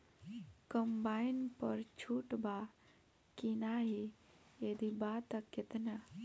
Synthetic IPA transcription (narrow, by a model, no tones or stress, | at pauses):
kəmbainpə̰ɾt͡ʃʰuʈba | kinaɦi | jed̪ibat̪əkːet̪na